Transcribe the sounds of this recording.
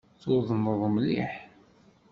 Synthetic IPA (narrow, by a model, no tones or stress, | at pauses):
θʊðˤənəðˤmlḭħ